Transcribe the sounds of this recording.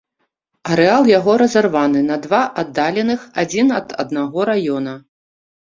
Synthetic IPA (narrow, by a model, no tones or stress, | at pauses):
ɐɾɛalˠjaɣɔɾɐzarvanɨnɐd̪vaʔad̪ːalʲɛnɨxad͡zʲinɐd̪ɐ̰d̪naɣɔɾajɔnɐ